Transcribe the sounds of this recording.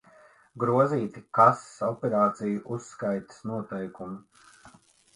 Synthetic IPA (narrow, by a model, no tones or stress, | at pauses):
ɡɾuɔziːt̪ikasːɔpʲɛɾaːt̪sijuʔusːkajt̪ḁsnuɔt̪ɛjkumu